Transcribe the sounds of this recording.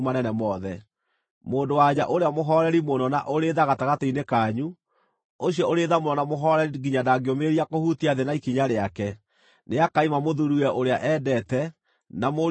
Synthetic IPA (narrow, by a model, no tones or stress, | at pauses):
manɛnɛmɔðɛ | moːndowaɲaʔoɾeamoɦɔɾɛɾimonɔnaʔoɾeːðaɣataɣateinekaːɲu | oɕjɔoɾeðamoɾɔnamoɦɔɾɛɾiɡiɲadaɡeomeɾiakohutiaðenaikiɲaɾeakɛ | neakaimamoðuɾuɛʔoɾeaʔɛːdɛtɛ | namo